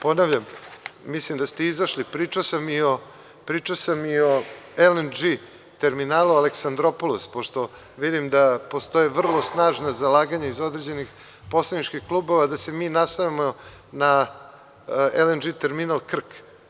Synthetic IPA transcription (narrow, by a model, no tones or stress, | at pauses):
po̞naʋʎammislimd̪ast̪eizaʃlipɾiːt͡ʃasamio | pɾiːt͡ʃaosamio̞elend͡ʒi | t̪e̞ɾminaːlualeksand̪ɾopoluspoʃt̪o̞ | ʋid̪imd̪apo̞st̪o̞jeʋr̩lˠo̞snaːʒnazalaːɡaɲaizo̞d̪ɾed͡ʑe̞nix | po̞slˠanit͡ʃkixklˠuːbo̞ʋad̪ase̞miːnast̪ajamo | na | elend͡ʒit̪e̞ɾminalˠkr̩k